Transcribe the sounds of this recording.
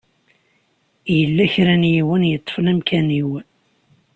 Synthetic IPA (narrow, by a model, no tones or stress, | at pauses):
jəlːæçɾænjiwənjət̪ˤːə̥fnæmkʰæniw